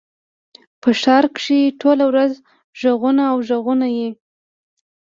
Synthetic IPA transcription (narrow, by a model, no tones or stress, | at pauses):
pəʃɑɾkʂiʈʰolawɾaz | ʒəɣunaːwʒəɣunaje